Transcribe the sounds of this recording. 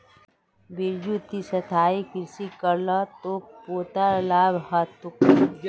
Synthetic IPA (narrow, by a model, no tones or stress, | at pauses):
biɾd͡ʒut̪isɐt̪ʰaːikɪɾsikəɾlat̪opoːt̪alaːbhat̪ʊkː